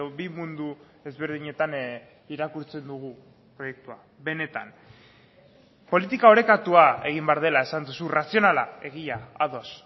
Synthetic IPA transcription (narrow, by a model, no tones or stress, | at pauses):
obimund̪u | e̞zβe̞ɾðiɲe̞t̪an | iɾakuɾt͡se̞nd̪uɣ̞u | pɾo̞je̞k̚t̪ua | βe̞ne̞t̪a̰n | po̞lit̪ikao̞ɾe̞kat̪uae̞ɣ̞imbeaɾð̞e̞lae̞sand̪usurasio̞nalae̞ɣ̞iaaðo̞s